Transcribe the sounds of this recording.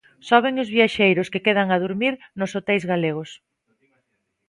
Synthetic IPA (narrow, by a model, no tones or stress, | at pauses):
sɔβɪŋʊzβiaʃejɾʊskekeðaŋaðuɾmiɾnʊsot̪ɛlzɣaleɣ̞ʊs